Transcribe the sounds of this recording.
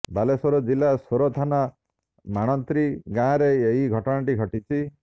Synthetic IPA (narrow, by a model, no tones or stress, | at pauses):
balesɔɾɔd͡ʒilasoɾot̪ʰana | maɽ̃ɔnt̪ɾiɡãːɾeeɦiɡʱɔʈɔɽ̃aʈiɡʱɔʈit͡ʃʰi